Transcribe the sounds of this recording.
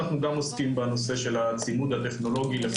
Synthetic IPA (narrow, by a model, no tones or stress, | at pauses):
aχnuɡamoskimbeno̞se̞ʃe̞lat͡simud̪at̪e̞χno̞lo̞ɡile